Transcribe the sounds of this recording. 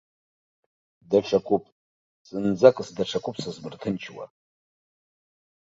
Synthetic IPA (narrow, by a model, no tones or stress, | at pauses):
daʈ͡ʂʰakʷʼupʼ | sʼɨnd͡zakʼɨsdaʈ͡ʂʰakʷʼʊpʰʼsazmɨrtʰɨnt͡ʃʰwa̰